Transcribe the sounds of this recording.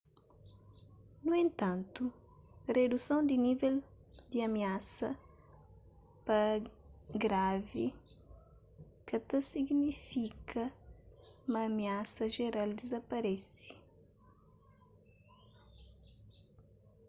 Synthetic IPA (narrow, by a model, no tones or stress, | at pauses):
nuẽnt̪ãnt̪u | red̪usɐ̃w̃d̪iniveld̪iɐmiasɐ | pɐ | ɡɾavi | kɐt̪ɐsiɡnifikʰɐ | umɐːmiasɐʒeɾald̪izɐpɐɾɛsi̥